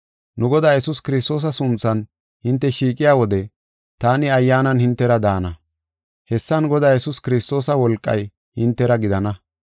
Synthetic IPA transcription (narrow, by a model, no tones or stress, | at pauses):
nʊɡɔd̪aːjɛsʊskɪɾɪst̪o̞ːs̬ɐsʊnt͡sːɐn | hɪnt̪ːɛʃiːkʼɪjaːwɔd̪ɛ | t̪aːnɪɐjːaːnɐnhɪnt̪ːɛɾɐd̪aːnɐ | hɛsːɐnɡɔd̪aːjɛsʊskɪɾɪst̪ːo̞ːsɐwɔlkʼːɐ̰j | hɪnt̪ːɛɾɐɡɪd̪ɐnɐ